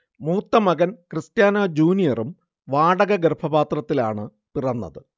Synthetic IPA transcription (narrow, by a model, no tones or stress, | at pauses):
muːt̪ːɐmɐɣɐnkristjaːnad͡ʑuːnijɐrum | ʋaːɽɐɣɐɡeɾbʰɐbaːt̪rɐt̪ːilaːɳɨ | pirɐnːɐ̰ðɨ